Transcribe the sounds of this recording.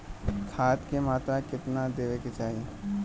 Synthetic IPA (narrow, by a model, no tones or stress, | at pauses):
kʰaːt̪kemaːt̪ɾakɪt̪nad̪eːʋeket͡ʃaːɦiẽ